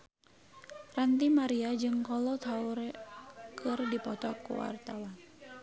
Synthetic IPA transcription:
rant̪imaɾiad͡ʒɨŋkɔlɔt̪ʰaur | kʰɨrdipɔt̪ɔkṵwa̰rt̪awan

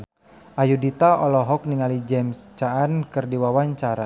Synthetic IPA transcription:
ʔajudit̪aɔlɔɦɔk̚niŋalid͡ʒɛmst͡ʃaːnkɨrdiwawaɲt͡ʃaɾa

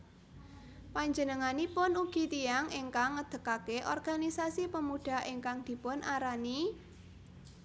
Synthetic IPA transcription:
paɲd͡ʒənəŋanipʊnuɡ̥i̤t̪iaŋeŋkaŋːəd̪̥ə̤kakeʔɔrɡ̥a̤nisasipəmuɖ̥a̤eŋkaŋd̪̥i̤pʊnʔaɾani

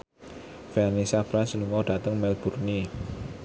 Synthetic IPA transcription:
fɛrnisab̥ɾansənuŋɔɖ̥a̤t̪əŋmɛlb̥urni

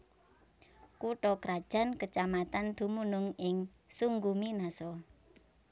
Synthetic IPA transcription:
kuʈɔkɾad̥ʒ̥a̤nkət͡ʃamat̪and̪̥ṳmunʊŋɪŋ | suŋɡuminasɔ

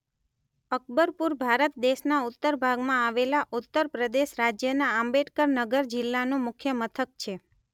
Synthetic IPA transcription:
ək̚ʰbəɾpuɾbʱaɾət̪d̪eʃnaut̪ːəɾbʱaɡmãaʋelaʔut̪ːəɾpɾəd̪eʃɾad͡ʒjənaambeʈkəɾnəɡəɾd͡ʒɪlːanũmʊkʰjəmət̪ʰək̚t͡ʃʰe

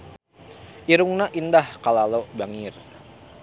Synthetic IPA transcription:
ʔiɾuŋnaʔindahkalalobaŋɪr

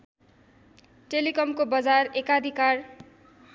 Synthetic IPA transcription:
ʈelikʌmkobʌd͡zarekad̪ʱikar

